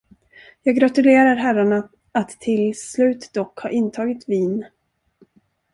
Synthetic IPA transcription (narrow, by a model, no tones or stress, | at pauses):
jɑːɡɾat̪ɵleːɾaɾɦæɾaɳa | at̪ʰːɪlslʉ̟ːt̪d̪ɔkhɑ̰ːɾʔɪnt̪ʰɑːɡɪt̪viːn